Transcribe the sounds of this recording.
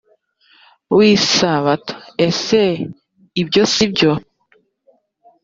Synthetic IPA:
wissaβato̥ese | ibjo̞sibɟo

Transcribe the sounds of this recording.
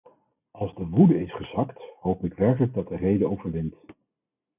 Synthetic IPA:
ʔɑlˠzdəʋudəɪsχəzɑkthowpɪkʋɛɹkələɡ̚dɑt̚dərejdəowvəɹʋɪnt

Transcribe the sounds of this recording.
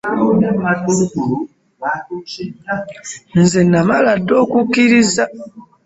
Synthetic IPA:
nematuɾuɡuɾu | an̩zenamaladokukiɾiza

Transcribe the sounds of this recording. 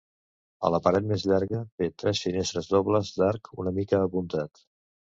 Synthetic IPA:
ə̰ləpəɾɛt̪̚mezʎaɾɣəbet̪ɾɛsfinest̪ɾəzðɔβləzd̪aɾkunəmikəːpunt̪at̪

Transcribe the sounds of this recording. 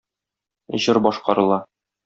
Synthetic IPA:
ʑɤɾbɒʃqɑɾɤ̆lˠɑ

